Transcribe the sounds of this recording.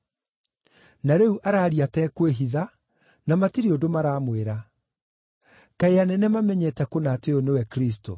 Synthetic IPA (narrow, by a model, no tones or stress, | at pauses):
naɾɛuʔaɾaːɾiatɛkweɦiða | namatiɾeodomaɾaːmweɾa | kaeanɛnɛmamɛɲɛtɛkonateonewɛkɾis̬to̰